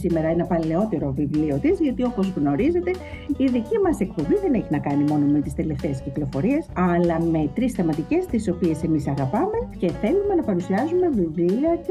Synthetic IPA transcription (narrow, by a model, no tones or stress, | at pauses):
sime̞ɾɐenɐpɐle̞o̞t̪e̞ɾo̞vivlio̞t̪izʝɐt̪io̞po̞zɣno̞ɾize̞t̪e̞ | iðicimɐse̞kpo̞biðe̞ne̞çinɐkɐnimo̞no̞me̞t̪i̥st̪e̞le̞ft̪e̞ːsciklo̞fo̞ɾiesɐlɐme̞t̪ɾisθɐmɐt̪ice̞st̪iso̞pie̞se̞misɐɣɐpɐme̞ce̞θe̞lume̞nɐpɐɾusiɐzume̞vivliɐt̪i